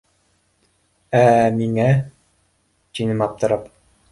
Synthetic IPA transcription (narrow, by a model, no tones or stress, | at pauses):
æmiŋæ | t̪ʲinɘmɑp̚t̪ɤ̆ɾɑp